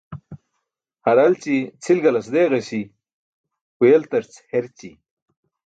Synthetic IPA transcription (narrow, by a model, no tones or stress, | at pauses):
hɐɾɐlt͡ɕit͡sʰilɡɐlɐsd̪eːɣɐɕi | ujelt̪ɐɾt͡sheɾt͡ɕi